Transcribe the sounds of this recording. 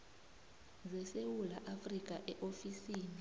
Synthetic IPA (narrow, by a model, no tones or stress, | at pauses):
zɛsewulaʔafrik̬ʼaʔɛʔofisiːni